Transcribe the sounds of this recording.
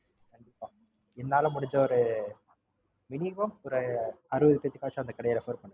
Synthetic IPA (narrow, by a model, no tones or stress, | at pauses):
kɐɳɖɪpːaː | ɛnːaːlɐ̃mʊɽɪɲd͡ʒɐɔɾɯ | mɪnɪmɐmɔɾɯɐɾɯʋɐðɯt̪p̪ːɐt̪ːɯkːaːt͡ʃːaɐnd̪ɐkɐɽɐjɐlɐfoːɾpɐɳː